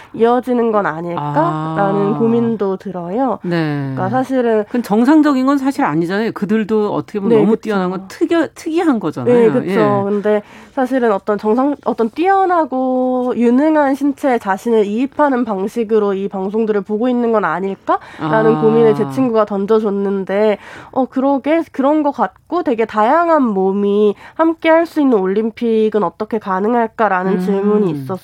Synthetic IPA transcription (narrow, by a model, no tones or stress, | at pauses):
iʌd͡ʑinɯnɡʌnaɲiɭk͈aɾanɯnkomindotɯɾʌjonek͈as̬ʰaɕʰiɾɯnkɯndet͡ɕʌŋsʰaŋd͡ʑʌɡinɡʌnsʰaɕʰiɾaɲid͡ʑanajokɯdɯɭdoʌ̰t͈ʰʌkʰenemut͈iʌnɦanɡʌntʰɯɡtʰɯɡiɦanɡʌd͡ʑa̰nae̞okɯt͡ɕʰokɯnde̞sʰaɕʰiɾɯnʌt͈ʌnt͡ɕʌŋsʰaŋʌt͈ʌnt͈iʌnɦaɡojunɯŋɦanɕʰint͡ɕʰe̞t͡ɕaɕʰinɯɾiːpʰanɯnpaŋɕʰiɡɯɾoipaŋsʰoŋdɯɾɯɭpoɡoinːɯnɡʌnaɲiɭk͈aɾanɯnkomine̞t͡ɕe̞t͡ɕʰiŋɡuɡatʌnd͡ʑʌd͡ʑʌnːɯnde̞ʌkɯɾʌɡe̞kɯɾʌnɡʌk͈at̚k͈ote̞ɡe̞tajaŋɦanmomihamk͈e̞ɦaɭs͈uinːɯnoʎːimpʰiɡɯnʌt͈ʌkʰe̞kanɯŋɦaɭk͈aɾanɯnt͡ɕiɭmuɲiːs͈ʌs͈